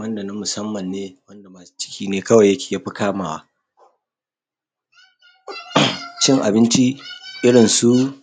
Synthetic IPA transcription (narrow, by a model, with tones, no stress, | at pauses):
wɐ˦nda˨nɪ˦mmʊ˨sɐ˦mːɐ˨nːeː˦wɐ˦nda˨maː˨su̥˦t͡ʃɪ̥˦kʲʰiː˨neː˦kɐ˦wɐ˨jːɐ˦kʲe̥ː˨jaː˦ɸi˦kaː˦maː˨wa̰˦ | t͡ʃɪ˦ŋʔa̰˨bɪ˦nt͡ʃi˦ʔɪ˦ɽɪ˨nsu˦